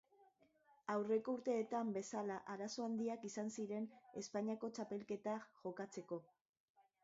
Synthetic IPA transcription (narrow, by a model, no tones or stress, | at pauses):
awre̞ko̞uɾt̪e̞ːt̪ambe̞salaʔaɾaso̞and̪iakisansiɾe̞ne̞spaɲiako̞t͡ʃape̞lke̞t̪aʝo̞kat͡se̞ko̞